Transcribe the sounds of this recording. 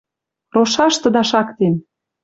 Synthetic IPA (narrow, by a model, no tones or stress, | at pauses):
roʃɑʃt̪ə̆d̪ɑʃɑkt̪en